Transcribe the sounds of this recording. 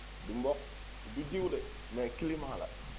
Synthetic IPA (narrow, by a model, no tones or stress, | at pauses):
dimbok̚ | didiwde | mekilimala̰